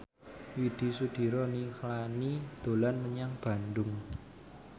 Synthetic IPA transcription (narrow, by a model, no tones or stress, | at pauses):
wid̪̥i̤sud̪̥i̤ɾɔniklanid̪̥o̤lanməɲaŋb̥a̤ndʊŋ